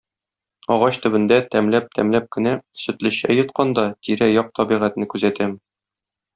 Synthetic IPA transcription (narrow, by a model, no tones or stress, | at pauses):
ɒʁɑɕt̪ɵ̆bɘ̆nd̪æt̪æmlæp̚t̪ʰæmlæp̚kɘ̆næsɵ̆t̪lɘ̆ɕæ̰jɤ̆t̪qɑnd̪ɑt̪iɾæjɒq̚t̪ɒbiʁæt̪nɘkʉzæt̪æm